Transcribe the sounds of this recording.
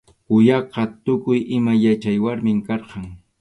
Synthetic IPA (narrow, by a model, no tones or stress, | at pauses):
kʊjɑqɑt̪ʊkʊjʔɪmajat͡ʃajwaɾmɪŋkɑɾqɑŋ